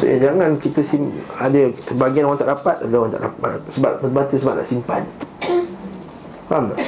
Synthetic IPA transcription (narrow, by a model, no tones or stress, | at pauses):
sə̰d͡ʒaŋãnkit̪əsimadəbaɡianwaŋt̪aʔdapat̪̚apədwaŋnt̪a̰ʔdasəbaʔ̚mənbat̪əsəba̰ʔ̪̚na̰ʔsimpa̰n | am